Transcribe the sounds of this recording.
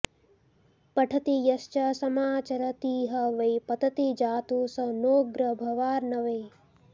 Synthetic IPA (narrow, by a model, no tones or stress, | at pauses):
pɐʈʰɐt̪ijɐʃt͡ʃɐsɐmaːt͡ʃɐɾɐt̪iːɦɐʋɐjpɐt̪ɐt̪id͡ʒaːt̪uːsɐnoːɡɾɐbʱɐʋaːɾnɐʋɐj